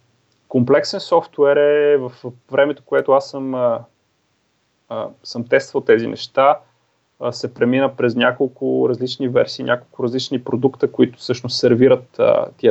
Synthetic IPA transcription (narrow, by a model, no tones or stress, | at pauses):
komplɛksɛnsɔft̪wɛɾɛvəfvɾɛmɛt̪o̥koɛt̪ʊasːəm | səmt̪ɛst̪vəlˠt̪ɛzinʔɛ̰ʃt̪a | sɛpɾɛminəpɾɛznʲakolˠkʊɾɐzlit͡ʃnivɛɾsiːnʲʔakolˠkʊɾɐzlit͡ʃnipɾod̪ukt̪əkoit̪ʊ̥sɤʃnʊst̪sɛɾviɾət̪ːiə